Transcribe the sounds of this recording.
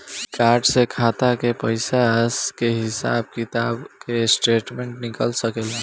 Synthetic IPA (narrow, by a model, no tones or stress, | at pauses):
kaɾɖsekʰat̪akepəɪsaskeɦɪsa̰b̚kit̪abkesʈeʈmeɳʈnikəlsəkel